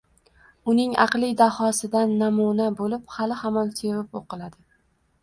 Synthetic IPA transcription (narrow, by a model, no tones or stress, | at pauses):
ʊnɪŋɑ̰qlˠɪd̪ahɒsɪd̪anːamunabolɪphalɪhamɒnse̞vɪpoqʰɨlˠad̪ɪ